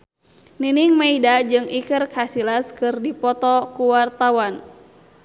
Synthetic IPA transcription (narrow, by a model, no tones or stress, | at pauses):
niniŋmaidad͡ʒɨŋikɨrkasilaskɨrdipɔt̪ɔkuwart̪awan